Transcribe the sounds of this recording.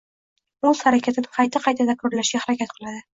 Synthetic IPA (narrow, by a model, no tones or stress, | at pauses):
olˠzhaɾakʲʰat̪ʰɪnɪqʰɑjt̪ʰaqʰɑjt̪ʰad̪akʰɵɾlaʃɡʲahaɾakʲat̪̚qʰɨlˠad̪ɪ